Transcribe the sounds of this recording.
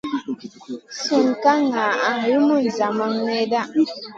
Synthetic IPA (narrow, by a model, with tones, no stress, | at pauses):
su˨ŋ˨ka˦ŋa˨ʔa˦ɾi˦mu˦n̩˨za˨ma˦ŋne˦da˦